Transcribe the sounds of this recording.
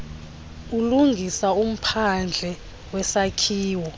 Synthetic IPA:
uluŋɡʱisaum̩pʰand͡ɮʱɛ | wɛsakʰiːwɔ

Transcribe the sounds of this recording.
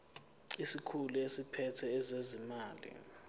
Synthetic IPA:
isikʰuluesipʰɛtʰɛːzezimaːlḭ

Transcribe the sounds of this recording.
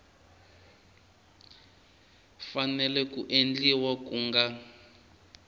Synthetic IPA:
fanɛlɛkuʔend͡ɮiwakuːŋɡa

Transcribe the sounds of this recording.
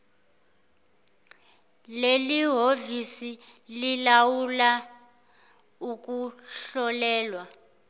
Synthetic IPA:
leliɦovisililawula | uk̬uɬɔlɛːlwa

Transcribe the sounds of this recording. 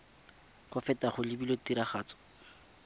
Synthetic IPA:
χɔfɛtaχʊlɪbilotiɾaχaːt͡sɔ̥

